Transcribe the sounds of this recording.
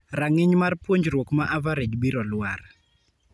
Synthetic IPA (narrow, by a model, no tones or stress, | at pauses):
ɾaŋɪɲmarpwoɲd͡ʒɾwokmaʔavaɾed͡ʒbiɾɔlwar